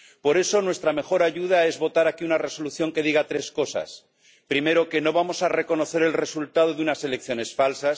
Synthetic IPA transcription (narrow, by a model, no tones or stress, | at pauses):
po̞ɾe̞so̞nwe̞st̪ɾame̞xo̞ɾaʝuð̞ae̞zβo̞t̪aɾakiunare̞so̞luθjo̞ŋke̞ð̞iɣat̪ɾe̞sko̞sa̰s | pɾime̞ɾo̞ke̞no̞β̞amo̞sare̞ko̞no̞θe̞ɾe̞lre̞sult̪að̞o̞ðeunase̞lek̚θjo̞ne̞sfalsas